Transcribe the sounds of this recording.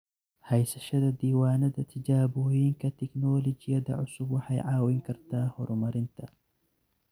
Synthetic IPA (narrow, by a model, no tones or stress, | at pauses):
hɐjsɐʃɐðɐd̪iːwaːnɐðɐt̪ʰɐd͡ʒaːbʊjɪŋkɐt̪ʰɪknɔːlɔd͡ʒɪjɐd̪ɐ̰ʕʊsʊbwɐħɐjʕaːwɪŋkʰɐrt̪aːhɔɾmɐɾɪnt̪ʰɐ